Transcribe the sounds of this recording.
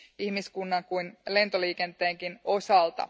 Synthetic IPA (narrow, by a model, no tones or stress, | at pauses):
ihmiskunːɑŋkuinle̞nt̪oliːkent̪eːŋkino̞sɑlt̪ɑ̰